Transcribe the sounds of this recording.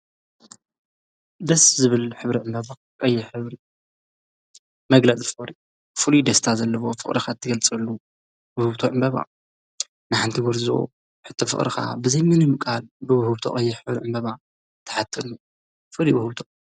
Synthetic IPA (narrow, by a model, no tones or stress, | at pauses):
d̪ɐszɨβɨlħɨβɾiʕɨmbɐβa | qʼɐjːɪħɨβɾi | mɐɡlɐt͡sʼifɨχʼɾi | fulud̪ɐst̪ʰazɐlːɐβo̞fɨ̰χʼɾʔixat̪ʰːɨɡɐlt͡sʼɐlːu | wʊhɨβt̪ʰoʕɨmbɐβa̰ | nɨħant̪ʰiɡuɾzo̰ | ħɨt̪ʰːɐfɨ̰χʼɾixa̰bɨzɐjmɨnɨmɨkʼalbɨwɐhɨβt̪ʰo̰ʔʼɐjːɪħɨβɾiʕɨmbɐβa | t̪ʰːɐ̥ħat̪ʰːɐnu | fɨɾiwɐhɨβt̪ʰo